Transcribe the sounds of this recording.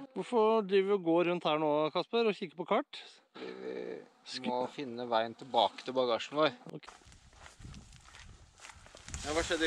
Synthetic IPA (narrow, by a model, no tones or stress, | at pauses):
ʋʊɾfɔɖ̪ɾiːʋəʋɪɔɡoːɾʉnt̪hæːɳoːkʰɑspəɾɔçɪkːə̥pɔkʰɑʈː | ʋɪ̰ʋɪ̰ | skmɔfɪnːəʋæɪənt̪ʰɪlbɑːkə̥t̪ʰɪlbɑɡɑːʂn̩ʋoːɾɔ̰ | ɛʋɑːʂɛd̪